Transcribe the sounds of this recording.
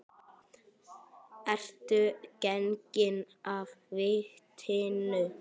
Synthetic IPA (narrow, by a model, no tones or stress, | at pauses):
ɛr̥t̪ʏcɛncɪn | avvɪht̪ʰɪnʏ